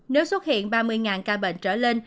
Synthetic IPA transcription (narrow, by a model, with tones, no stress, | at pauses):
ne˨˦wswə˦˥t̚hḭ˧˨ənɓaː˧mɨ˧əjŋaː˨˩nkaː˧ɓḛ˧˨nt͡ɕəː˧˩le˧n